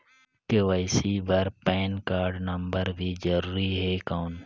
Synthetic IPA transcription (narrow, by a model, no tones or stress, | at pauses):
keʋɐɪsibɐɾpɛ̃ːnkaːɾɖnɐmbəɾbʱid͡ʒɐɾuːɾiɦeːkaːn